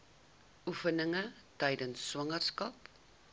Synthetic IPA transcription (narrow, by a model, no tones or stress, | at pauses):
ʔufənəŋətɛjdənsːwɐŋərskɐp